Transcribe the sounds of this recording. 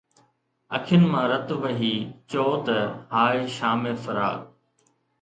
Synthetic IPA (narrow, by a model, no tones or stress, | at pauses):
ɐ̰kʰɪnɪ̆mãːɾɐt̪ʋɐɦiːt͡ɕoːt̪ɐɦaːeːʃaːmeːfɐɾa̰ː